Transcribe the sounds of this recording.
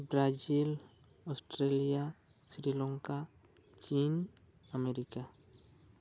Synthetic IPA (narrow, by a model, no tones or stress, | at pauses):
bɾad͡ʒil | ɔsʈɾelija | sɾilɔ̃ŋka | t͡ʃiːn | əmeɾika